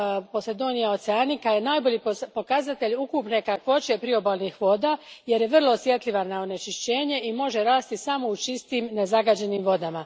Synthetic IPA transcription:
po̞slʲed̪o̞nijao̞t̪seanikaje̞naːjbo̞ʎipo̞kazat̪e̞ʎukupnekakʋo̞t͡ʃe̞pɾio̞bolˠnixʋo̞ːd̪aːje̞ɾje̞ʋr̩lˠo̞sje̞t̪lʲiʋanao̞ne̞t͡ʃiʃt͡ɕe̞ːɲe̞imo̞ʒe̞ɾaːst̪isamo̞ut͡ʃist̪iːmne̞zaɡad͡ʑe̞niːmʋo̞d̪ama

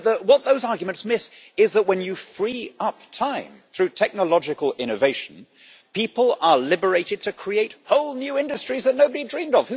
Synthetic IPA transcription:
ðəwʌt̪̚ðoʊzɑɹɡjmɨ̃ntsmɪs | ɪzðət̚wə̃njɨfɹiʌp̚tʰãɪ̃mθɹʉtʰɛk̚nəlɑd͡ʒɨkəlˠɪ̃ñɨveɪʃn̩ | pʰipəlˠə˞lɪbə˞eɪɾɨd̚tʰɨkʰɹ̥ieɪt̚hoʊlˠnjʉɪ̃ndɨstɹ̥izðɨtⁿnoʊbɨɾidɹĩmdʌv̥h

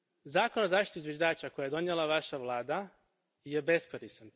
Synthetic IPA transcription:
zaːkonozaːʃt̪it̪uizʋjeʒd̪aːt͡ʃakojaje̞d̪o̞njelˠaʋaʃaʋlˠaːd̪a | je̞be̞skoɾisan

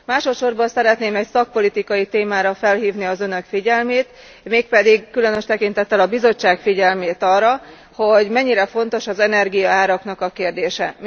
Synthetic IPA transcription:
maːʃo̞t̪ʃo̞rbɒnsɛɾɛt̪neːmɛcsɒk̚po̞lit̪ikɒjit̪eːmaːɾɒfɛlɦiːvniɒzønø̞kfiɟɛlmeːt̪ | meːk̚pɛd̪iɡkylø̞nøʃt̪ɛkint̪ɛt̪ːɛlɒbizo̞t͡ʃːaːkfiɟɛlmeːt̪ɒːrːɒ | ho̞ɟmɛɲːiɾɛfo̞n̪t̪o̞ʃɒzɛnɛrɡijɒaːɾɒkn̪ɒkɒkeːrd̪eːʃɛ̰m

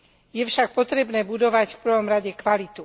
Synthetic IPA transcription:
jɛfʃak̚pɔt̪ɾɛbnɛːbud̪ɔʋacfpr̩ʋɔmɾaɟɛkʋalit̪u

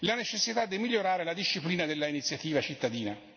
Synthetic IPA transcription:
lanet͡ʃesːit̪ad̪ːimilːoɾaːɾelad̪iʃːipliːnad̪elːainit̪sːjat̪iːvat͡ʃit̪ːad̪iːna

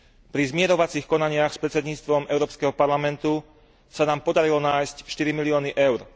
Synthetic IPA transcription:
pɾizmɪɛɾɔʋat͡sixkɔnaɲɪaxspɾɛtt͡sɛd̪ɲiːt͡st̪ʋɔmɛʊɾɔːpskɛɦɔpaɾlamɛnt̪u | sanaːmpɔd̪aɾilɔnaːjscʃt̪iɾimiliɔːniʔɛʊɾ

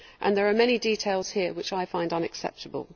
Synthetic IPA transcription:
ʔə̰̃nðəɹəmɛñidiːˑtʰeɪlˠz̥hɪəwɪt͡ʃaɪfãɪ̃ndʌ̃nəksɛ̰p̚tʰəbə̰lˠ

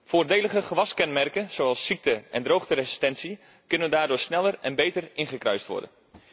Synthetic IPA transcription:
foːrdeːləχəχəʋɑskɛnmɛrkənz̥oɑlˠsːik̚təʔɛndrowχtərezi̥stɛnsi | kɵnəndaːrdʊːɹsnɛlˠərɛnbejtərɪnχəkrœ̰ɥstʋɔ̰ɹdə̰n

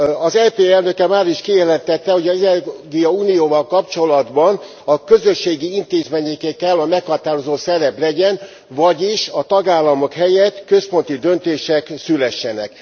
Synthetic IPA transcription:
ɒzɛpeːɛlnøkɛmaːɾiʃkijɛlɛnt̪ɛt̪ːɛho̞ɟɒzɛɛɡijɒuːnijoːvɒlkɒpt͡ʃo̞lɒd̪bɒn | ɒkø̞zø̞ʃːeːɡiint̪eːzmeːɲekɛkɛlːɒmɛkhɒt̪aːɾo̞zoːsɛɾɛblɛɟɛn | vɒɟiʃɒt̪ɒɡaːlːɒmo̞khɛjɛt̪kø̞spo̞nt̪id̪ønt̪eːʃɛksylɛʃːɛnɛ̰k

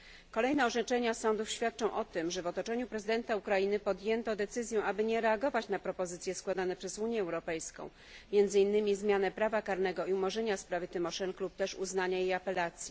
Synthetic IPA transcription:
kɔlɛjnɛɔʐɛt͡ʂɛɲasɔ̃nd̪ufɕfʲjat̪̚t͡ʂɔ̃w̃ʔɔt̪ɘmʐɛvɔt̪ɔt͡ʂɛɲupɾɛzɘd̪ɛnt̪aukɾajinɘpɔd̪jɛnt̪ɔd̪ɛt̪sɘzʲjɛ̃ʔabɘɲɛɾɛaɡɔvat͡ɕnapɾɔpɔzɘt̪sʲjɛskwad̪anɛpʂɛzuɲjɛɛwɾɔpɛjskɔ̰̃w̃ | mʲjɛnd̪zɘinːɘmʲizmʲjanɛpɾavakaɾn̪ɛɡɔiumɔʐɛɲaspɾavɘt̪ɘmɔʂɛnklup̚t̪ɛʂṵznaɲajejapɛlat̪sʲji

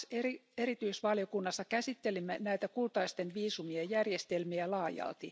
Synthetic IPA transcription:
serieɾit̪yisʋɑljokunːɑsːɑkæsit̪ːelimːenæit̪ækult̪ɑist̪enʋiːsumiɑjærjest̪elmiælɑːjɑ̰lt̪i

